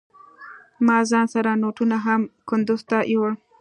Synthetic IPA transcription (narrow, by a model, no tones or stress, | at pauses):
mɑzɑnsaɾanoʈunaɦamkʊnd̪ʊzt̪aʔjowɽ